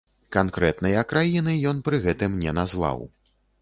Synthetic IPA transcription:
kankɾɛt̪nɐjɐkɾajinɨjɔn̪pɾɨɣɛt̪ɨmnʲɛnazva̰w

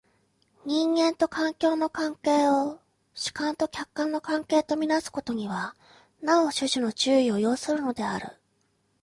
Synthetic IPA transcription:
ɲ̟ĩŋɡẽ̞nt̪o̞kãŋkʲo̞ːno̞kãŋke̞ːo | ɕi̥kãnt̪o̞kʲakːãnːo̞kãŋke̞ːt̪o̞mʲinasɨ̥ko̞t̪o̞ɲ̟iβa | nao̞ɕɨʑɨno̞t͡ɕɨːio̞jo̞ːsɨɾɯ̟no̞d̪e̞a̰ɾɯ̟̰

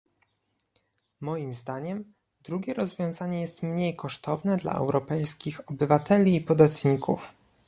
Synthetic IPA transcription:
mɔjimzd̪aɲɛm | d̪ɾuɡʲɛɾɔzvʲjɔ̃w̃zaɲɛjɛst̪mɲejkɔʂt̪ʰɔvnɛd̪la̰ɛ̰wɾɔpɛjskʲixɔbɘvat̪ɛlʲiːpɔd̪at̪ɲikʰṵf

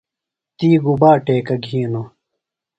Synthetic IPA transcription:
t̪iːɡubaːʈeːkɐɡʱiːno

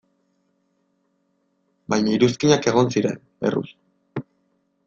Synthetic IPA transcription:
bajɲaiɾuskiɲake̞ɣ̞o̞nsiɾe̞̰n | ḛrṵs

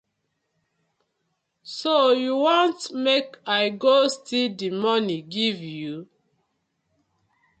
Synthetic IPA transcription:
sojuwɔ̃ntmekaɪɡostidimɔniɡivju

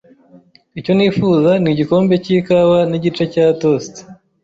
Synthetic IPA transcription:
ico̞niːfuːzaniɟiko̞ːmbe̞cikaβaniɟit͡ʃe̞cato̞sti̥

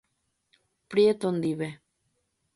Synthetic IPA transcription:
pɾiet̪ond̪iβe

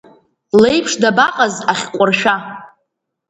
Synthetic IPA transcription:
le̞jpʰʂdabaqʼazaχʲqʷʼʊrʃᶣa

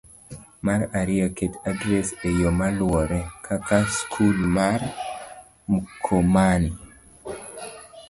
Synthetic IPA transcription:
maɾaɾɪaketadɾesejomalwɔɾɛkʰakaskʰulmaɾ | mukʰomani

